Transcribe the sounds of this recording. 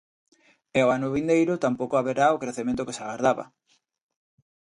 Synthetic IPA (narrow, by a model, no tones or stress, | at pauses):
eoanʊβind̪ejɾʊt̪ampowkoaβeɾaokɾeθemẽnt̪ʊkesaɣaɾðaβa̰